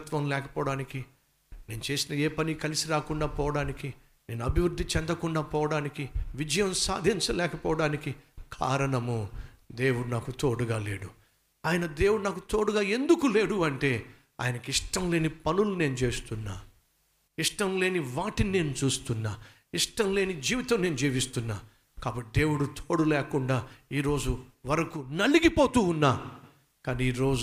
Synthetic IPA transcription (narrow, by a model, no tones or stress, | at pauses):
t̪ʋɐmlɛːkɐpɔːɽaːniki | ne̞ːnut͡ʃe̞ːsinɐeːpɐnikɐlisiɾaːkuɳɖaːpɔːʋɐɽaːniki | ne̞ːnuɐbʱiʋɾud̪ʱːit͡ʃɛnd̪ɐkuɳɖaːpɔːʋɐɽaːnikiʋid͡ʒɐjɐmsa̰ːd̪ʱiɲt͡ʃɐlɛːkɐpɔːʋɐɽaːnikikʰa̰ːɾɐɳɐmud̪eːwuɽunaːkut̪oːɽuɡaːle̞ːɽu | aːjɐnɐd̪e̞ːwuɽunaːkut̪oːɽuɡaːe̞nd̪ukule̞ːɽuɐɳʈe̞ː | a̰ːjɐnɐkiʂʈɐmle̞ːnipɐnulune̞ːnut͡ʃe̞ːst̪unːaː | iʂʈɐmle̞ːniʋaːʈinine̞ːnut͡ʃuːst̪unːaː | iʂʈɐmle̞ːnid͡ʒiːʋit̪ɐmne̞ːnud͡ʒiːʋist̪unːaː | kaːbɐʈːid̪e̞ːwuɽut̪ʰoːɽulɛːkuɳɖaːiːɾo̞ːd͡ʒuʋɐɾɐkunɐɭiɡipo̞ːt̪uːunːaː | kaːniiːɾo̞ː